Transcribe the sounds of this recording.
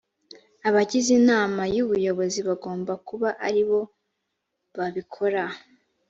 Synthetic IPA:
aβaɟizinaːmajuβujo̞βo̞ziβaɡo̞ːmbakuβaʔaɾiβo̞ | βaβikʰo̞ɾa

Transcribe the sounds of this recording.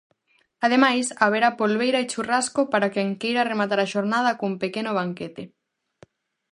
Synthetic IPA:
að̞emajsaβ̞eɾapolβejɾaet͡ʃuraskopaɾakeŋkejɾaremat̪aɾaʃoɾnað̞ɐkumpekenoβ̞aŋket̪e

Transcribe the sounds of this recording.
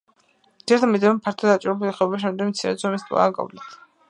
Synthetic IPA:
iɛɾt̪ʰamid̪ivɛmpʰaɾt̪ʰɔd̪at͡ʃʼiɾɛbuliχɛɔbaʃ̬ɛmd̪ɛmt̪sʰiɾɛ̰zɔmist̪ʼa̰akʼɔ̰vlɛt̪ʰ

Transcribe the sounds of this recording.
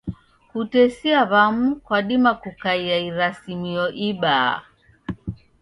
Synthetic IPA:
kutɛsiaβamukwaɗimakukaiaiɾasimiɔʔiɓa̰

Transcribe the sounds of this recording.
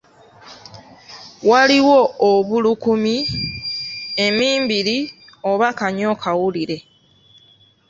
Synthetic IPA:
waliwo̞ːβulukumi | e̞miːmbiɾi | oβakaɲo̞ːkʰawuliɾe̞

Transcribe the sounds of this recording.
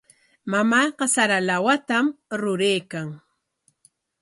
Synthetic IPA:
mamaːqɑsaɾalawat̪amɾʊɾejkaŋ

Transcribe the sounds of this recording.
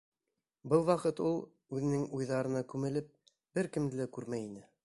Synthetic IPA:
bɤlˠwɑqɤt̪ulˠ | ʉðɘ̆nɘŋujðɑɾɤ̆nɑkʉmɘ̆lɘp̚ | b̥ɘɾkɘ̆md̪ɘlækʉɾmæjinɘ

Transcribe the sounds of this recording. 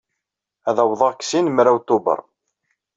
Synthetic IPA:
æðæwðˤɑkːsinmɾawt̪ʊbə̰ɾˤ

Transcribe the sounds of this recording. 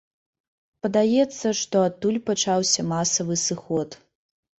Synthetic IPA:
pɐd̪ajɛt̪sːɐʂt̪ɔat̪ːulʲpat͡ʂawsʲɐmasɐvɨsɨxɔt̪

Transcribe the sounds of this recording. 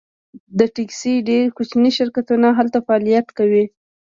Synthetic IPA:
d̪əʈiksiɖeɾkut͡ʃniʃɪɾkat̪unaɦalt̪afaɑlijat̪kawi

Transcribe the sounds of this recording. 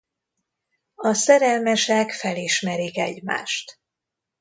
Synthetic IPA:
ɒsɛɾɛlmɛʃɛkfɛliʃmɛɾikɛ̰ɟma̰ːʃt̪

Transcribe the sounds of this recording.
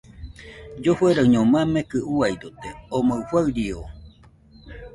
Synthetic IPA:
d͡ʒofweɾaɰɲõmãmekɨʔuajd̪ot̪eomofwaɯɾio

